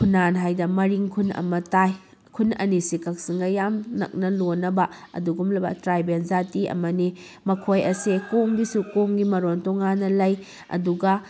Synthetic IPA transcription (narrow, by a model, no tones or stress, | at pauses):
kʰunanɦajdɐmɐɾiŋkʰunɐ̰mɐtaj | kʰunɐ̰nisikɐk̚siŋɡɐjamnɐ̰k̚nɐlonɐbɐɐ̰duɡumlɐbɐ̰tɾajbenzatiɐ̰mɐnimɐkʰojɐsekoŋbisukoŋɡimɐɾontɔŋanːɐlɐj | ɐ̰duɡɐ